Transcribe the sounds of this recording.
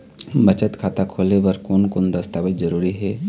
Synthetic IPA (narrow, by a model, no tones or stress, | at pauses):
bɐt͡ʃət̪kʰaːt̪akʰoːlebəɾkoːnkʊnd̪ɐst̪aːʋɪt̪zəɾuːɾiɦɛː